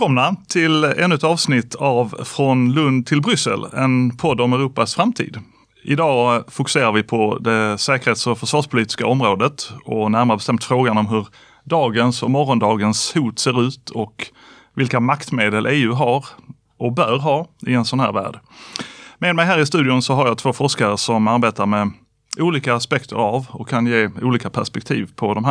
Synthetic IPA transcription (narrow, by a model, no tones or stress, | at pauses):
ɛkʰɔmnat̪ʰɪlɛ̰nɵt̪ɑːvsnɪt̪ʰːavfɾɔnlɵnd̪̚t̪ʰɪlbɾʏsːə̰lɛ̰npʰɔd̪ːɔmɛɾuːpasfɾamt̪ʰḭːd̪ | ʔɪ̰d̪ɑːfʊkɵ̥seːɾaɾvɪpʰɔd̪ɛsɛːkəɾeːt̪sɔfœʂvɑːʂpʰʊliːt̪ɪ̥skaɔmɾoːd̪ət̪ɔnæɾmaɾəbɛst̪ɛmt̪fɾoːɡanɔmɦɵɾ | ɖ̪ɑːɡənsɔmɔɾːɔnd̪ɑːɡənshuːt̪seːɾʉ̟ːt̪ʰɔk | vɪlkamakt̪meːd̪əlʔeːʉ̟ːɦaɾ | ʔɔbœɾɦɑːɪɛnsɔnhæ̰ːɾvæ̰ːɖ | med̪mɛɪjɦæːɾɪst̪ʉ̟ːd̪ɪʊnsɔɦaɾjat̪ʰv̥oːfɔʂkaɾəsɔmaɾbeːt̪aɾmɛ | uːliːkaːspɛkt̪ʰə̰ɾavɔkʰːanjeːuːliːkapʰæʂpɛk̚t̪ʰḭːvpʰɔd̪ɔmɦæ